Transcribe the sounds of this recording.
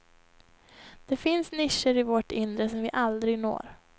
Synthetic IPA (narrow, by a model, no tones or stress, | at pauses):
d̪̥ɛfɪnsnɪʂːəɾɪvɔʈɪnd̪ɾəsɔmvɪʔald̪ɾɪɡno̰ːɾ